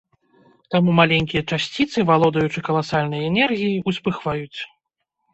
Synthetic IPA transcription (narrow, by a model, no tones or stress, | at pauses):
t̪amumalʲenʲkʲijɐt͡ʂasʲt͡sʲit̪sɨvalˠɔd̪ɐjut͡ʂɨkɐlˠasalʲnɐjɛnɛrɣʲijiʔuspɨxvajut͡sʲ